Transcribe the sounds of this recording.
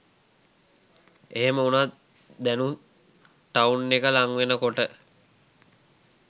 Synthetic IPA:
eɦeməunat̪ | d̪ænu | t̪aunːekəlaŋʋenəkoʈə

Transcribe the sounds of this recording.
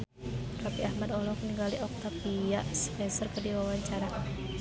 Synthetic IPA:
ɾapiahmad̪ɔlɔkniŋɡaliʔɔk̚t̪apiaspɛnsərkədiwawaɲt͡ʃaɾa

